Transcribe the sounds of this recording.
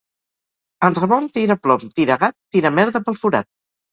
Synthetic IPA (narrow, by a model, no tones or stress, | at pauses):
ənrəβɔnt̪iɾəplɔmt̪iɾəɣat̪ːiɾəmɛɾðəpəlˠfuɾa̰t̪̚